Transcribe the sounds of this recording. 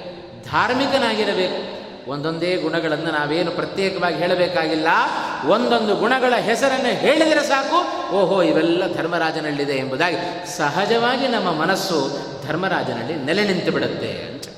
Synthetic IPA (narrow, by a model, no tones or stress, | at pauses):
d̪ʱaːɾmikɐnaːɡiɾɐbe̞ːku | ond̪o̞nd̪eːɡuɳɐɡɐɭɐnːɐnaːʋeːnupɾɐt̪jɛːkɐʋaːɡiɦeːɭɐbɛːkaːɡilːɐond̪o̞nd̪uɡuɳɐɡɐɭɐɦɛsɐɾɐnːɐɦe̞ːɭid̪iːɾesaːku | oːɦoiʋɛlːɐd̪ʱɐɾmɐɾaːd͡ʒɐnɐlːid̪e̞ːmbud̪aːɡi | sɐɦɐd͡ʒɐʋaːɡinɐmːɐmɐnɐsːu | d̪ʱɐɾmɐɾaːd͡ʒɐnɐ̰lːinɛlenint̪ubiɽut̪ːe̞̰ɐ̰nt̪e̥